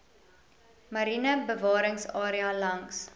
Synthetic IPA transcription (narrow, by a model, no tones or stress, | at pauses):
mɐɾinəbəvɑːɾəŋsɑːɾiɐlɐŋs